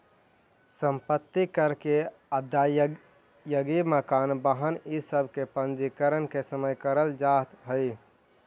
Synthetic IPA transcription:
səmpət̪ːikəɾke | əd̪ʱa | jəɡiməkanbəɦənisəbʱkepənd͡ʒikəɾənkesəməjkəɾəld͡ʒat̪ɦəɪ

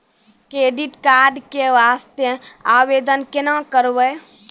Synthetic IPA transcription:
kɾeːɖiʈkaːɾɖkeʋaːst̪jəaːweːd̪ənkɪnãkəɾwəj

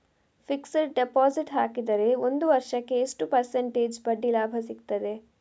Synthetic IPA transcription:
fiksɐɾɖepaːziʈɦaːkid̪ɐɾe̞ond̪uʋɐɾʃɐkːe̞iʂʈupɐɾseɳʈeːd͡ʒbɐɖːilaːbʱɐsikt̪ɐd̪e̞

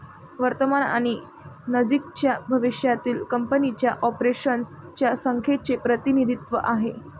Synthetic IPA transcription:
ʋəɾt̪əmana̰ɽ̃i | nəd͡ʑikt͡ɕjabʱəʋiɕjat̪iːlkəmpənit͡ɕjaʔɔpɾeɕənst͡ɕjasəŋkʰet͡sepɾət̪inid̪ʱit̪ʋəʔaɦe

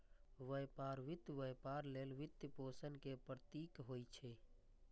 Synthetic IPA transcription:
ʋəjpaːɾʋɪt̪ːʋəjpaːɾleːlʋɪt̪jpoːsənkepɾət̪iːkɦoːit͡ʃʰeː

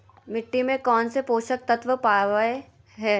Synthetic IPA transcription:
mɪʈːimẽkɔːnsepoːʃək̚t̪ɐt̪ʋəpaːʋe | ɦɛː

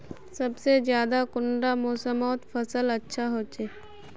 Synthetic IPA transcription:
sɐbsezjaːd̪akʊɳɖamoːsəmɔːt̪fʰɐsəlɐtːʃʰaɦoːt͡ʃeː

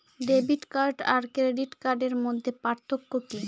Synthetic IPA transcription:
ɖebiʈkaɾɖaɾkɾeɖiʈkaɾɖeɾmod̪ʱːepaɾt̪ʰokːoki

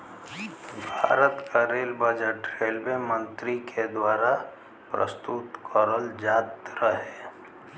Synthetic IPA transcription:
bʱaːɾət̪kʰaɾeːlbəd͡ʒəʈɾeːlbemə̃nt̪ɾikʰed̪waːɾa | pɾə̰st̪ut̪kɔɾəld͡ʒaːt̪ɾəɦɛː

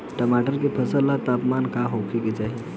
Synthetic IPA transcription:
ʈəmaʈəɾkepʰəsəlːat̪apmankaɦowkʰeket͡saɦi

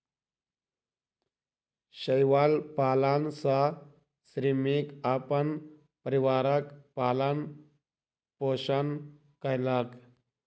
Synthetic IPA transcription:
ɕəjʋalpaːlansa | sɾimikapən | pəɾiʋaɾəkpaːlan | poɕən | kəjlak

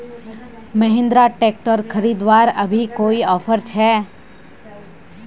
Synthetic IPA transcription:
məɦɪ̃nd̪ɾaʈek̚ʈəɾkʰəɾiːd̪ʋaɾəbʱikoːiɔːfʰəɾt͡ʃʰɛː

